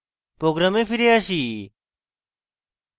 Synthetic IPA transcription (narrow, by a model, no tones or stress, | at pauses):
pɾoːɡɾaːmẽːfiɾeaːʃiː